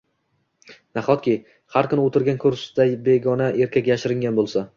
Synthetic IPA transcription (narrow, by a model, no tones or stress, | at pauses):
naχɒt̪kʲʰɪ | haɾkʰʊnɪot̪ʰɪɾɡʲankʰɵɾsd̪ajbeɡɒnaʔe̞ɾkʲakʲjaʃɪɾɪŋɡʲanbolˠsa